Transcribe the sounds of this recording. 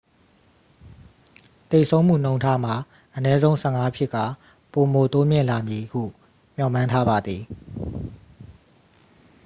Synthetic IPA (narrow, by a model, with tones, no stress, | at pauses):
t̪e˨sʰõ˦ʊ̃m̥ṵ˦˨n̥õ˦ʊ̃ntʰa˦m̥a˨ | ʔənɛ˦zõ˦ʊ̃sʰɛ˦˨ŋa˦pʰjɪ˦ʔka̰˦˨ | po˨mo˨to˦mjɪ̰̃˦˨la˨mji˨hṵ˦˨ | m̥jɔ˨mã˦ntʰa˦ba˨d̪ði˨